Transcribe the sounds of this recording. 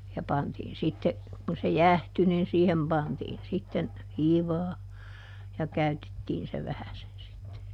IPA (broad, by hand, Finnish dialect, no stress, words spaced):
jɑ pɑntiːn sitːe kun se jæhty nin siːhem pɑntiːn sitːen hiːʋɑː jɑ kæytetːiːn se ʋæhæsen sitːe